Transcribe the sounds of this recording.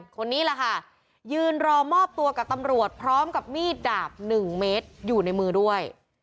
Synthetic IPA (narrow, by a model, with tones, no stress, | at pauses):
kʰo˧nːiː˦˥la˨˩kʰa˥˩ | jɯː˧nɾɔː˧mɔː˥˩p̚t̪u˧ɐka˨˩p̚t̪a˧mɾu˨˩ət̪̚pʰɾɔː˦˥mka˨˩p̚miː˥˩t̪̚daː˨˩p̚nɯ˨˩ŋmeː˦˥t̪̚juː˨˩na˧jmɯː˧du˥˩əj